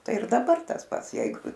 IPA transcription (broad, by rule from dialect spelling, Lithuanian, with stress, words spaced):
ˈtɐɪ ɪr dɐˈbɐr tɐs ˈpɐts ˈjɛɪɡʊ